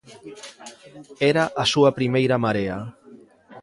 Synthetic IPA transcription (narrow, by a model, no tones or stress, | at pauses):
eɾaʔasuapɾimejɾamaɾea